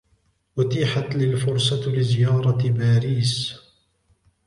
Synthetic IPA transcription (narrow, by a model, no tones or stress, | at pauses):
wʊt̪iːħat̪lɪlfʊɾsˤɑlɪzɪjɑːɾˤɑbaːɾiːs